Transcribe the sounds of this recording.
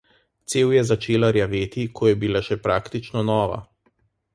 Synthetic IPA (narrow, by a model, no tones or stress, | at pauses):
t̪seːwjɛzat͡ʃeːlaɾjaʋeːt̪ikʰɔjɛbilaʃɛpɾaːkt̪it͡ʃnɔnɔːʋa̰